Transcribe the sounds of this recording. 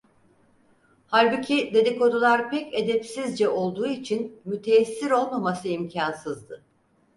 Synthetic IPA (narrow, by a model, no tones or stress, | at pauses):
halʲbucʰid̪e̞d̪ikʰo̞d̪ulˠaɾpɛced̪ɛpsizd͡ʒɛo̞lˠd̪uːit͡ʃʰinmyt̪ʰeːsːiɾo̞lˠmamasɯimcʰansɯzd̪ɯ